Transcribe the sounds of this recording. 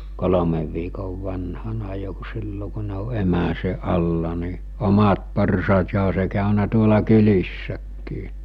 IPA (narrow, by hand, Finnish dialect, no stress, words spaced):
kolomeʋ ʋiːkoʋ ʋɑnhɑnɑ jo ku̥ silːo ku ne o emæse ʔɑlːɑ ni omɑt porsɑːt jɑ oɦɑ se kɑˑønæ tuolɑ kylisːækːiː